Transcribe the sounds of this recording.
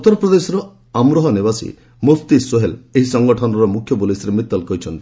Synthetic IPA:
ut̪ːɔɾɔpɾɔd̪esɔɾɔ | amɾɔɦɔnebasḭ | most̪isoɦeleɦisɔŋɡɔʈʰɔnɔɾɔmukʰjɔpulisɾemit̪ːɔlkɔɦit͡ʃʰɔnt̪i

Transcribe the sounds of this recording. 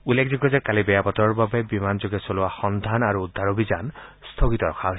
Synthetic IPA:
ulːekʰziɡɔzɛkalibɛjapɔt̪ɔɹbabɛbimanzoɡɛsoluaxɔnd̪ʱanaɹud̪ʱaɹobizanst̪ʰoɡit̪ɔɹɔkʰaɦo

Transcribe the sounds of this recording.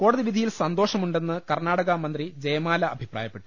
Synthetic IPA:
ko̞ːɽɐðiʋid̪ʱijilsɐnd̪o̞ːʂɐmuɳɖe̞nːɨkɐrnaːɽɐɣɐmɐnd̪rid͡ʑɐjɐmaːlɐːbʱipra̰ːjɐpːe̞ʈːu̥

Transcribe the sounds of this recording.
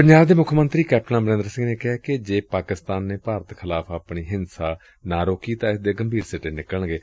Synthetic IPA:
pəɲd͡ʒaːbd̪eːmʊkʰmənt̪ɾiːkɛːp̚ʈənaːməɾẽːnd̪əɾsɪ̃ŋɡneːkɪɦaːkɪd͡ʒeːpaːkɪst̪aːnːeːpaːɾət̪kʰɪlaːpʰaːpɳiːɦɪnsaː | naːɾoːkiːt̪ãːɪsd̪eːɡəmbʱiːɾsɪʈeːnɪkəɳɡeː

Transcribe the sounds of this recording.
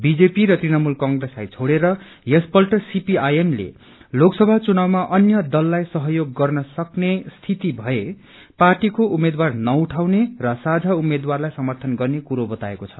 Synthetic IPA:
bid͡zepiɾʌt̪rinʌmulkʌŋɡreslajt͡sʰoɽeɾʌ | jespʌlʈʌsipiajemlḛ | loksʌbʱat͡sunawmaʔʌnjʌd̪ʌlːajsʌɦʌjoɡːʌrnʌsʌknest̪ʰit̪ibʱʌe | parʈikoʔumed̪warnʌuʈʰawnerʌsad͡zʱaumed̪warlajsʌmʌrt̪ʰʌnɡʌrnekuɾobʌt̪aekot͡sʰʌ̥̰

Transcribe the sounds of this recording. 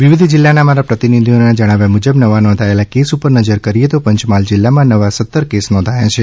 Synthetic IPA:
ʋiʋid̪ʱd͡ʒilːanamaɾapɾət̪inid̪ʱionad͡ʒəɽ̃aʋjamud͡ʒəbnəʋanɔ̃nd̪ʱaelakesupəɾnəd͡ʒəɾkəɾijet̪opəɲt͡ʃmald͡ʒɪlːamãnəʋasət̪ːəɾkesnɔ̃nd̪ʱajat͡ʃʰe

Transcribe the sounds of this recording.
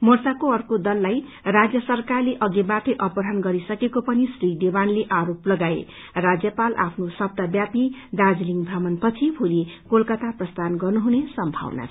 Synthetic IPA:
mʌrsakoʌrkod̪ʌlːaj | rad͡zjʌsʌrkarleʔʌɡebaʈeʔʌpʌɾɦʌnɡʌɾisʌkekopʌnisrid̪ebanleʔaɾoplʌɡaḛ | rad͡zjʌpala̰pʰnosʌb̚d̪abjapid̪ad͡zliŋɡbʱamʌnpʌt͡sʰibʱulikolkʌt̪aprʌst̪anɡʌrnuɦunesʌmbʱa̰wna̰

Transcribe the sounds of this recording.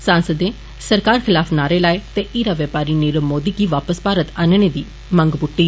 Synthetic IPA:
sãːnsəd̪ẽː | səɾkaːɾkʰɪlaːpʰnaːɾeːlaːet̪eːʔiːɾaːʋəːpaːɾiːnɪɾəmːoːd̪iːɡiːʋaːpəspaːɾət̪aːnɳeːd̪iː | məŋɡbʊʈːiː

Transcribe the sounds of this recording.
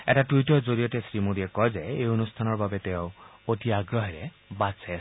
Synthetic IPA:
ɛ̰tatujtɔzoɹijɔtɛsɹimodiɛkɔjzɛejonustʰanɔɹbabɛtɛʊ̃otiaɡɹɔɦɛlɛ | basɛ

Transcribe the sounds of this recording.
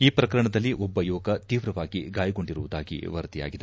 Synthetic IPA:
iːpɾɐkɐɾɐɳɐd̪ɐlːiʔɔbːɐjuːɐɡɐt̪iːʋɾɐʋaːɡiɡaːjɐɡo̞ɳɖiɾuʋud̪aːɡḭʋɐɾɐt̪ija̰ːɡid̪e

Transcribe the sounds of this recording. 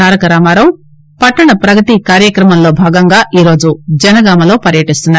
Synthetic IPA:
aːɾɐkɐɾaːmaːɾɐm | pɐʈːɐɳɐpɾɐɡɐt̪ikaːɾjɐkɾɐmɐmlo̞ːbʱaːɡɐŋɡaːʔiːɾo̞ːd͡ʒud͡ʒɐnɐɡaːmɐlo̞ːpɐɾjɐʈist̪unːa

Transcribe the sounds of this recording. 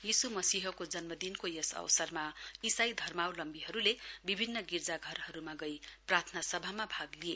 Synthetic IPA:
jisumʌsiɦʌkod͡zʌnmʌd̪inkojesʌ̰wsʌrmaisajd̪ʱʌrmawlʌmbiɦʌɾulebibʱinːʌɡird͡zaɡʱʌrɦʌɾumaɡʌjprart̪ʰnasʌbʱamabʱaɡlie

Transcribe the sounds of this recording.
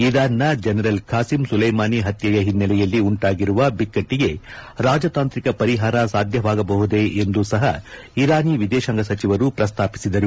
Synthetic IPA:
id̪aːnːɐd͡ʒɛnɐɾɐlkʰaːsimsulɐjmaːniɦɐt̪jɐjɐɦinːɐlɛjɐlːiuɳʈaːɡiɾuʋɐbikːɐʈːiɡeɾaːd͡ʒɐt̪aːnt̪ɾikɐpɐɾiɦaːɾɐsaːd̪ʱjɐʋaːɡɐbɐɦud̪e̞ʔend̪usɐɦɐ | iɾaːniʋid̪ɛːʃɐŋɡɐsɐt͡ʃiʋɐɾupɾɐst̪ʰaːpi̥sid̪ɐɾu

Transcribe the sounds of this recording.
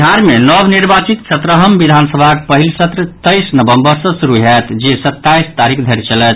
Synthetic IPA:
aɾmenɔbniɾbat͡ʃit̪sət̪ɾəɦəmbid̪ʱansəbʱak̚pəɦilsət̪ɾət̪əjsnəbəmbəɾsʌ̃suɾuɦɛt̪d͡ʒesət̪ːaist̪aɾikʰd̪ʱəɾt͡ʃəlɛt̪̚

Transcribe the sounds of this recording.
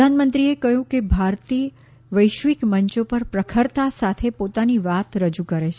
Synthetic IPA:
anmənt̪ɾiekəjũkebʱaɾt̪i | ʋəjʃʋikməɲt͡ʃopəɾpɾəkʰəɾt̪asat̪ʰepot̪aniʋat̪ɾəd͡ʒukəɾet͡ʃʰ

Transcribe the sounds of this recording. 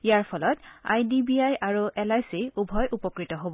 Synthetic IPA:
ijaɹpʰɔlɔta̰jdibiajʔaɹuʔɛlajsiubʱɔjʔupɔkɹitɔɦobɔ

